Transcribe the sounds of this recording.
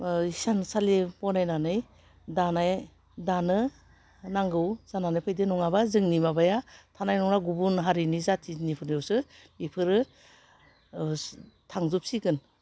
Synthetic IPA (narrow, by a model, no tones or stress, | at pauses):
isansalepɔnajnanɯj | danaj | danɯ | naŋɡɯwz̥ananɯpʰɯjdɯnɔŋabazɯŋnimabajatʰanajnɔŋnaɡubunɦaɾinizatʰinipʰɯɾnjɔwsɯ | nipʰɯɾɯ | tʰaŋzup̚siɡɯn